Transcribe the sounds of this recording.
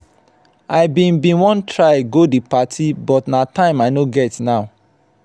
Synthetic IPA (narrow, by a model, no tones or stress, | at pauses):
aɪbĩnbĩnwɔ̃ntʰɹaɪɡodipatʰibɔtnatãɪ̃maɪnoɡɛtnaʊ